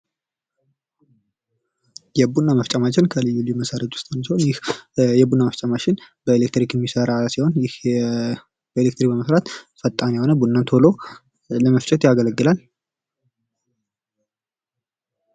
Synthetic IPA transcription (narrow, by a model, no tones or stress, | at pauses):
jɛbunːaməft͡ʃʼamat͡ʃːɪnkʰəlɨjːuljuməsəɾət̪ʼwʊst̪ʼansiho̞njɪhjɛbunːaməft͡ʃʼamat͡ʃɪn | bəelekt̪ɾikjɛmːisəɾasiho̞njɪh | bəelek̚t̪ɾikbəməsɾat̪fət̪ʼːanjɛho̞nəbunːant̪ʰo̞lo̞ | ləməft͡ʃʼɛt̪jaɡələɡːɨlal